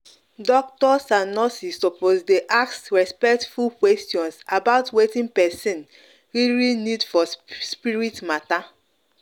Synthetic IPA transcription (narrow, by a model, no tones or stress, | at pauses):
dɔk̚tɔsanɔsisɔpozdeʔaksɹɛspɛktfulkwɛstiɔ̃nsabaʊtwetĩnpɛsĩn | ɹiɹinidfɔspiɹitmata